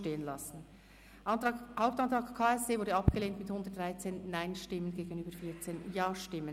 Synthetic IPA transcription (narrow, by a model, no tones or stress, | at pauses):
teːənlɑsn̩ | haʊp̚tɑntʁ̥ɑːkkʰːaːɛsd̥eːvʊɾdəɑpɡ̥əleːntmɪthʊndətdʁaɪt͡seːnnaɪnʃtɪmənɡeːɡənyːbəɾfiːɐt͡seːnjaːʃtɪmːən